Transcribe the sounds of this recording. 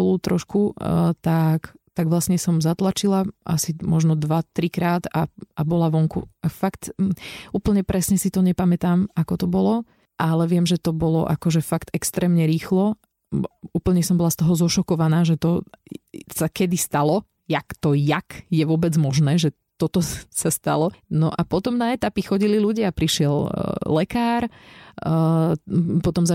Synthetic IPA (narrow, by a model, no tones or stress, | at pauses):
ɔluːt̪ɾɔʃkut̪akt̪aɡʋlasɲɛsɔmzat̪lat͡ʃilaʔa̰simɔʒnɔd̪ʋat̪ɾikɾaːt̪aʔabɔlaʋɔŋkṵafakt̪uːpl̩ɲɛpɾɛsɲɛsit̪ɔɲɛpamɛt̪aːmakɔt̪ɔbɔlɔ | ʔalɛʋɪɛmʒɛt̪ɔbɔlɔ̰ʔakɔʒɛfakt̪ɛkst̪ɾɛːmɲɛɾiːxlɔ | uːpl̩ɲɛsɔmbɔlast̪ɔɦɔzɔʃɔkɔʋanaːʒɛt̪ɔ | sakɛd̪ist̪alɔ | jakt̪ɔjakjɛʋʊɔbɛd͡zmɔʒnɛːʒɛ | t̪ɔt̪ɔsast̪a̰lɔnɔʔapɔt̪ɔmnaɛt̪apixɔɟililuɟiaapɾiʃɪɛllɛkaːɾ | pɔt̪ɔmza